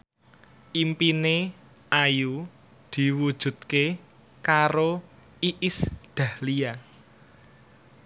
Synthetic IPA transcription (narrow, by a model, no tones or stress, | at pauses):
ʔimpine | aju | d̪̥i̤wud̥ʒ̥ṳt̪̚ke | kaɾo | iʔɪsd̪̥ä̤hlia